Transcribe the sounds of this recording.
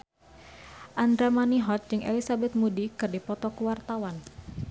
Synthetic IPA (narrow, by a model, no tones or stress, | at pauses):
ʔand̪ɾamaniɦɔt̪̚d͡ʒɨŋʔḛlisabɛt̪̚mudikɨrdipɔt̪ɔkuwart̪awan